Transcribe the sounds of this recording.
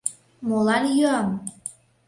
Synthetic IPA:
molɑnjøɑm

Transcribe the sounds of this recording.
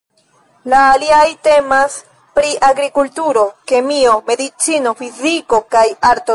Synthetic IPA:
laːliajte̞mas | pɾiʔaɡɾikultuɾo̞ke̞mio̞me̞d̪it͡sino̞fiziko̞kajaɾto

